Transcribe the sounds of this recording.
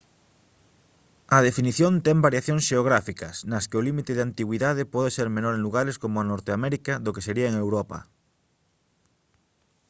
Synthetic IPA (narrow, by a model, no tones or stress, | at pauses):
ɐð̞efiniθjõnt̪ɛmbaɾjaθjõŋsʃeoɣ̞ɾafikɐsnɐskeolimit̪eðeant̪iɣwiðaðepɔðeseɾmenoɾẽŋluɣ̞aɾeskomoanoɾt̪eamɛɾikaðokeseɾiaeŋewɾopa̰